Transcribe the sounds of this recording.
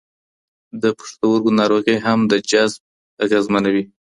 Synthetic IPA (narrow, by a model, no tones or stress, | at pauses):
d̪əpə̥ʂt̪awʊɾɡonɑɾoɣijɦamd̪əd͡ʒazb̚ | aɣezmanawi